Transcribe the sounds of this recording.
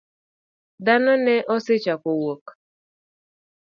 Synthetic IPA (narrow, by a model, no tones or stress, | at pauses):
danɔnɛʔɔsɪt͡ʃapowok